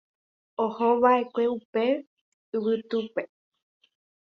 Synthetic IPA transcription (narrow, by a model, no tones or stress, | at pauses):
ohoʋae̞kʷe̞upe̞ | ɨwɨt̪upe̞